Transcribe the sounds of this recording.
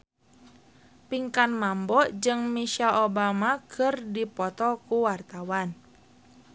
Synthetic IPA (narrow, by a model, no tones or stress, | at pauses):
piŋkanmambɔd͡ʒɨŋmiʃaʔɔbamakʰɨrdipɔt̪ɔkuwart̪awan